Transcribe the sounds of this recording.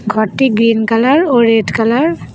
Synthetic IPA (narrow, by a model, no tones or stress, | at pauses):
ɡʱɔtːiɡɹinkalaɹoɹedkalaɹ